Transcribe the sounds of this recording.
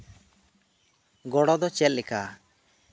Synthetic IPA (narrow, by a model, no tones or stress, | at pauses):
ɡɔɽɔd̪ɔt͡ʃɛt̪̚lɛka